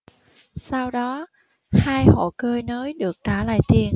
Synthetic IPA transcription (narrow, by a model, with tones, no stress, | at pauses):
sa˧wɗɔ˨˦ | haː˧jho̰˧˨kəː˧jnəː˨˦jɗɨ˨˩ək̚t͡ɕaː˧˩la̰ː˧˨jt̪i˨˩ən